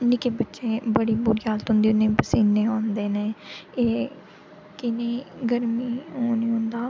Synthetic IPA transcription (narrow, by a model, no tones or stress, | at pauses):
nɪkeːbətːʃẽːbəɽiːbuɾiːaːlt̪ʊ̃nd̪iːʊnẽːpəsiːnːeːɦõːnd̪eːneːeː | kɪneːɡəɾmiːɦoːnĩːɦʊ̃nd̪aː